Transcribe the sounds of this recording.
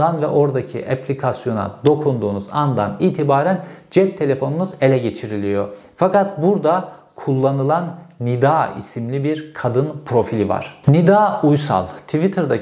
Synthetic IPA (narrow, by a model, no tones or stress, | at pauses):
anvɛ̰ʔo̞ɾd̪acʰḭʔepʰlʲikʰasjo̞na̰d̪o̞kʰund̪uːnuzand̪a̰niːt̪ʰibaːɾænd͡ʒɛt̪ʰːe̞lʲe̞fo̞nunuze̞lʲɛɟe̞t͡ʃʰiɾilʲijo̞ | fakat̪̚buɾd̪a | kʰulˠːanɯlˠanːid̪aːḭsimlʲibiɾkʰad̪ɯnpʰɾo̞filʲiva̰ɾ̥nid̪aːujsa̰lˠt̪ʰivit̪ʰɯɾd̪a